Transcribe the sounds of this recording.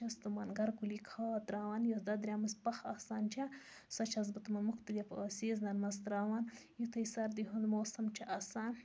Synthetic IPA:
t͡ʃɐst̪umɐnɡɐɾkulikʰaːt̪ɾaːʋanjod̪ɐd̪ɾʲamɨspɐxasaːnt͡ʃʰa | sɐt͡ʃʰɐz̬bɨt̪umɐnmuxt̪ɐlifɐːsiːznɐnmɐst̪ɾaːwaːnjut̪ʰɐjsɐɾd̪iɦund̪moːsɐmt͡ʃʰɐʔɐsaːn

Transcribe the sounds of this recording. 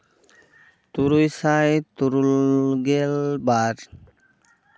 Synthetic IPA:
t̪uɾujsajt̪uɾulɡelbaɾ

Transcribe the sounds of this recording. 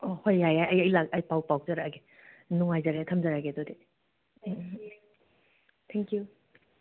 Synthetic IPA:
ɔhojajajɐjɐjlakɐjpawpaw̚zaɾaɡe | nuŋajzaɾetʰɐmzaɾaɡedɔde | t̪ʰɛŋkju

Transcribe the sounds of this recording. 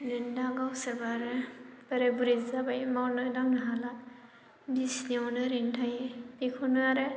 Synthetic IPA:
nɯndaɡawsebaɾɯbaɾebuɾizabajmawnɯdaŋnaɦala | bisnawnɯɾintʰajebikʰɔnɯaɾɯ

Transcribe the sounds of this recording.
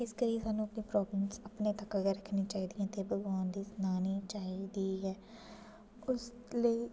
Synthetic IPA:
ɪskəɾiːsaːnːũːəpnĩːpɾɔːbləmsəpneːt̪əkəɡəɾəkʰːnĩːt͡ʃaːiːd̪ijãːt̪eːbəɡaːnd̪iːsnaːniːt͡ʃaːiːd̪iːɦɛː | ʊs | ləiː

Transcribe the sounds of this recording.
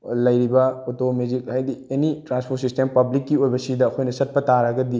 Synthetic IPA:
lɐjɾibɐotomed͡ʒik̚hajdienitɾanspʰotsistempɐblikːiojbɐsidɐːkʰojnɐsɐt̚pɐtaɾɐɡɐdi

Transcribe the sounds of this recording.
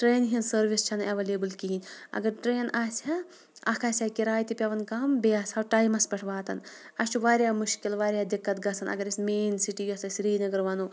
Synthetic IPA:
ʈɾeːnɦinsɐɾʋist͡ʃʰɐnɐʋɐlebɨlkiinʲɐ̰ɡɐɾʈɾeːnaːsʲɐ | ɐkʰaːsʲɐkiɾaːjt̪ipʲɐʋɐnkɐːmbeɐsɐwʈaːjmɐspʲɐʈʰʋaːt̪ɐnɐst͡ʃʰuʋaːɾʲjaːmuʃkilʋaːɾʲjaːd̪ikːɐt̪ɡɐsʰɐnʔɐ̰ɡɐɾismeːnsiʈijɐsɐsɾiːnɐɡɐɾʋɐnu

